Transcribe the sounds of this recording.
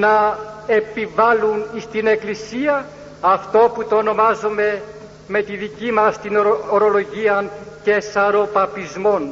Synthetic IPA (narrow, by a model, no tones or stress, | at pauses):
nɐ | e̞pivɐlunist̪ine̞klisiɐ | ɐft̪o̞put̪o̞ːno̞mɐzome̞ | me̞t̪iðicimɐst̪inooɾo̞lo̞ʝiɐnce̞sɐɾo̞pɐpizmo̞n